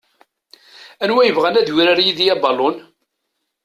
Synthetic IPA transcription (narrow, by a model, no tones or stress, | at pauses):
ænwæjəvʁænæðwiɾæɾjiðjæbɑlʊn